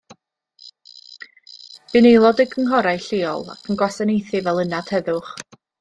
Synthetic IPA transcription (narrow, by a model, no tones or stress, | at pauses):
b̥ɨnejlˠɔdɪɡʰəŋɦɔɾajɬeːɔ̰lˠa̰kʰənɡwasanejθɨvɛlˠənad̥hɛðʊχ